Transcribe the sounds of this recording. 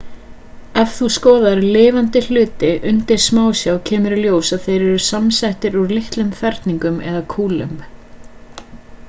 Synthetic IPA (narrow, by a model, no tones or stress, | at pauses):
ɛvθuskɔːðaɾlɪːvant̪ɪl̥ʏːt̪ɪʔʏnt̪ɪɾ̥smaːwsjawcʰɛːmʏɾljoːwsaðθejɾɛɾʏ̥samsɛht̪ɪɾuɾlɪht̪lʏmfɛɾt̪niŋkʏmɛ̰ðakʰuːlʏ̰m